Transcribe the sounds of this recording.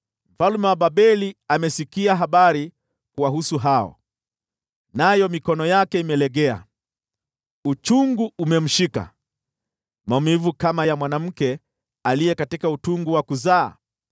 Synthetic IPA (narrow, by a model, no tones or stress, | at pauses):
m̩falumɛwaɓaɓɛliamɛsikiaɦaɓaɾi | kuwaɦusuɦaɔ̰ | najɔmikɔnɔjakɛimɛlɛɠɛa̰ | ut͡ʃuŋɡuumɛm̩ʃika̰ | maɔmivukamajamwanam̩kɛ | alijɛkatikautuŋɡuwakuza̰ː